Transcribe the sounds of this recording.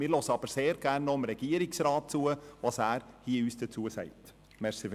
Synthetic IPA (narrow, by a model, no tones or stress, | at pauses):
mɪːɾlɔsəɑb̥əɾseːɾɡ̥æːrnːoəmɾɛɡ̥iːəɾɪksɾɑːt̚t͡suəʋɑːsæːɾhiːyːsd̥ət͡suəsɛ̰ɪt | mɛɾsif